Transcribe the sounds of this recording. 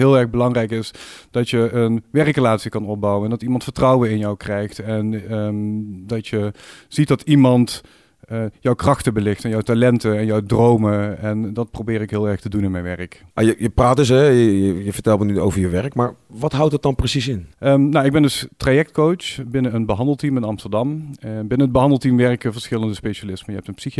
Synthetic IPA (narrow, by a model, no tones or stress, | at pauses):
ɦɪːlˠɛɹɣbəlɑŋrɛjkɪsd̥ɑtjəənʋɛrkrəlaːtsikɑnɔb̚bɑwənɛndɑtimɑntfəɹtrɑwənɪnjɔwkrɛjxtɛn | dɑtjəz̥it̚dɑtimɑntː | jɔwkrɑxtəbəlɪxtɛnjɔwtalɛntəɛnjɔwdrowməɛndɑt̚prowbɪːɾɪkɦɪːlˠɛɹxtədunɪnmɛjnʋɛrəkajəjəpraːdɵs̬ɛjəjəjəvəɹtɛlˠmənyo̰wvəɹjəʋɛɹəkmaːɹʋɑtɦɑwt̚dɑt̚dɑnprəsisɪnnawɪɡbɛndɵstrajɛk̚tkowsbɪnəənbəɦɑndəlˠtimɪnɑmstəɹdɑmbɪnəəd̚bəɦɑndəlˠtimʋɛrkəvəɹsxɪləndəspejʃalɪsmənjəɦɛp̚tənpsix